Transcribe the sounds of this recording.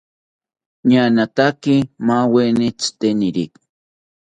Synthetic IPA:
ɲanat̪akimawenit͡st̪eniɾik

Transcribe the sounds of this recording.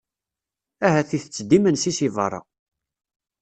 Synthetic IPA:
æɦæθiθət͡sːd̪imənsisivɑ̰rˤːɑ̰

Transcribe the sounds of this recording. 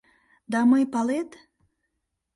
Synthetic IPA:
d̪ɑməjpɑlet̪

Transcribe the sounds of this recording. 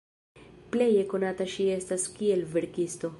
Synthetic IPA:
ple̞jeko̞nataʃie̞staskielveɾkisto̞

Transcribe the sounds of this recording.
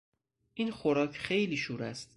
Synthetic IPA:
ʔinxoɾɒːcʰxejliːʃuːɾæst̪

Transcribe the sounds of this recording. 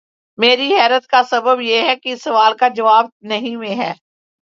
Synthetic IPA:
meːɾiɦɛːɾət̪kasɐbəbjeɦɛkisːɐʋaːlkad͡ʒɐʋaːbnɐɦĩmẽɦɛː

